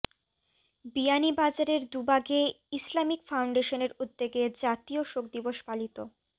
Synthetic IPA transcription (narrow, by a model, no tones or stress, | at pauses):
bijanibad͡ʑaɾeɾd̪ubaɡe | islamikfawɳɖeʃoneɾud̪ːeɡed͡ʑat̪ioʃok̚d̪iboʃpalit̪o